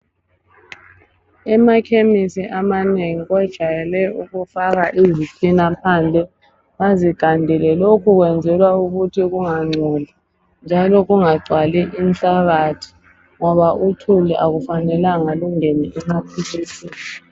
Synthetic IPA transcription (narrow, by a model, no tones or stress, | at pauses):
ɛmakʰemisiʔamaneŋiɣɔd̥ʒ̥ʱajɛlɛuɣufaɣaʔizisʼinapʰaːnd͡ɮʱɛ | βaziɡ̥ʱandʱɛlɛlokʰuɣwɛnd͡zʱɛlwauɣutʰiɣuŋaŋ͡ǀʱɔla | nd͡ʒʱalɔɣuŋaɡ͡ǀʱwalɛʔin̩ɬaɣatʰi̥ | ŋɔβaʔutʰuliʔaɣufanɛlaŋaluŋeniʔɛmapʰilisiː